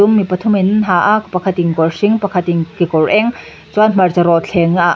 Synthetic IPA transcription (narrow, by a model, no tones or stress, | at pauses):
ʊmːipɐt̪ʰʊminɦaːʔakpɐkʰɐt̪iŋkɔrsiŋpɐkʰɐt̪iŋkikɔrʔɛŋ | t͡swanm̥ɐrt͡sɐɾɔt̪̚ɬʰɛŋa